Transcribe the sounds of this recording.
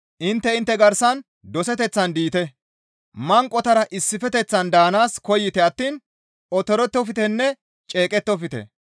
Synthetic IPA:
ʔɪnt̪ːɛɪnt̪ːɛɡɐɾsɐn | d̪ɔsɛt̪ɛt͡sːɐnd̪iːt̪ɛ | mɐŋkʼːɔt̪ɐɾɐʔɪsːɪfɛt̪ɛt͡sːɐnd̪aːnaːskɔjːɪt̪ɛɐt̪ːiːn | ɔt̪ɔɾɛt̪ːɔfɪt̪ɛnːɛ | t͡ʃʼe̞ːkʼɛt̪ːɔfɪt̪ɛ̰

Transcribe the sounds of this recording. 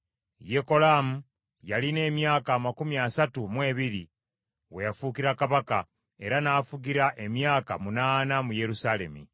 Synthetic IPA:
jeko̞lamu | jaline̞ːmjaːkaːmakumiasatumwe̞ːβiɾi | we̞jafukiɾakaβaka̰ | e̞ɾanaːfuɡiɾaʔe̞mjaːka̰munaːnamuje̞ɾusale̞̰mḭ

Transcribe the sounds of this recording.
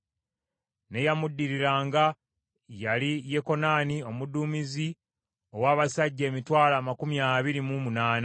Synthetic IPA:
ne̞jamudːiɾiɾaːŋɡa | jalijeko̞naːnio̞muduːmizi | o̞waːβasaɟːe̞ːmitwaːlaːmakumjaːβiɾimumunaːna

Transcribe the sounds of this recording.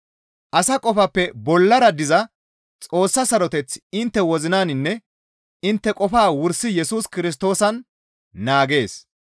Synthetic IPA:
ʔɐsɐkʼɔfɐpːɛbɔlːɐɾɐd̪ɪzɐ | t͡sʼo̞ːsːɐsɐɾɔt̪ɛt͡sɪnt̪ːɛwɔzɪnaːnɪnːɛ | ɪnt̪ːɛkʼɔfaːwʊɾsɪjɛsuːskɪɾɪs̬t̪o̞ːsɐnː | aːɡe̞ːs

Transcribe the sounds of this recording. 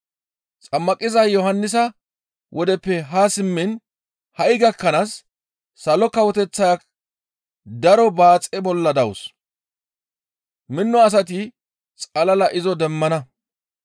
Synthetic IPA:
t͡sʼɐmːɐkʼɪzɐjɔɦɐnːɪs̬ɐ | wʔɔd̪ɛpːɛɦasɪmːɪn | hɐʔɪɡɐkːɐnasː | ɐlɔkɐwɔt̪ɛt͡sːɐjak | d̪ɐɾɔbaːt͡sʼɛbɔlːɐd̪ɐws | mɪnːɔɐs̬ɐt̪ɪ | t͡sʼɐlɐlɐʔɪzɔd̪ɛmːɐnɐ

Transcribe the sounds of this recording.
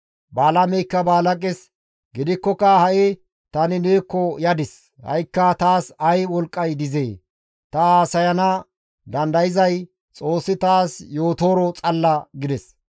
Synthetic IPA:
baːlɐmɛjkːɐbaːlɐkʼɛs | ɡɪd̪ɪkːɔkɐhɐʔɪ | t̪ɐnɪneːkːɔjɐd̪ɪs | hɐ̰jkːɐt̪aːsɐjwɔlkʼːɐjd̪ɪzeː | t̪ɐaːsɐjɐnɐ | d̪ɐnd̪ɐjɪzɐj | t͡sʼo̞ːsːɪt̪aːsjo̞ːt̪o̞ːɾɔt͡sʼɐlːɐɡɪd̪ɛs

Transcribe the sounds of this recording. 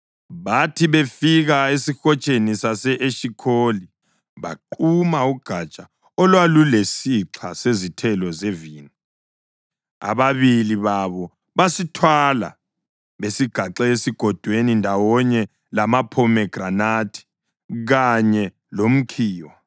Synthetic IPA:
βatʰiβefiɣaesixɔt͡ʃʼenisasɛʔeʃikʰoli | βa̰ǃumauɡ̥ʱat͡ʃʼa | ɔlwalulesiǁʰasezitʰɛlɔzeviːna | a̰βaβiliβaβɔ | βasitʰwala̰ | βesiɡ̥ʱaǁɛesiɡ̥ʱɔd̥ʱwenindʱawɔɲɛ | lamapʰɔmɛɡ̥ʱranaːtʰi̥ | ɣaɲɛ | lom̩kʰiːwa

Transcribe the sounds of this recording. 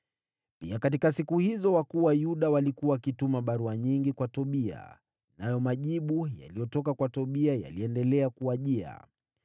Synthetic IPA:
piakat̬ikasikuhizɔwakuwajuɗawalikuwawakitumaɓaɾuaɲiŋɡikwatɔɓia̰ | najɔmaʄiɓuja̰lijɔtɔkakwatɔɓiaja̰liɛndɛlɛakuaʄia̰

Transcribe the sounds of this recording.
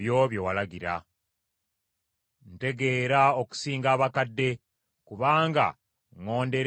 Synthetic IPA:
jo̞βjo̞walaɡiɾa̰ | n̩te̞ɡe̞ːɾao̞ku̥siːŋɡaːβakadːe̞ | kuβaːŋɡa̰ | ŋo̞ːnde̞ɾ

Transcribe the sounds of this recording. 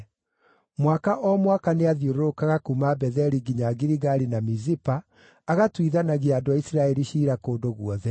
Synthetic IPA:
mwakaʔɔmwakaneaðjoɾookaɣakumabɛðɛɾiɡiɲaɡiɾiɣaɾinamizipaː | ɣatwiðanaɣiadoaisɾaɛɾiɕiːɾakoːdoɣuɔðɛ

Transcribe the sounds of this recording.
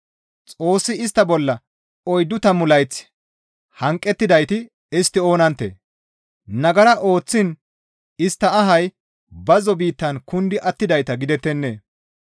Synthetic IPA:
t͡sʼo̞ːsːɪɪst̪ːɐbɔlːɐ | ɔjd̪ʊt̪ɐmʊlɐjt͡s | hɐŋkʼːɛt̪ːɪd̪ɐjt̪ɪ | ɪst̪ːɪo̞ːnɐnt̪ːḛː | nɐɡɐɾɐʔo̞ːt͡sːɪn | ɪst̪ːɐːɦɐj | bɐzɔbiːt̪ːɐnkʊnd̪ɪʔɐt̪ːɪd̪ɐjt̪ɐɡɪd̪ɛt̪ːɛnːḛː

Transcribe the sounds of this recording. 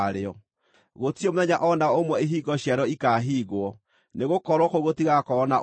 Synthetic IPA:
ɾeɔ | ɣotiɔmoðɛɲaʔɔnaomwɛeɦiːɣɔɕjaɾɔikaɦiːɣwɔ | neɣokɔɾwɔkoɣotiɣakɔːna

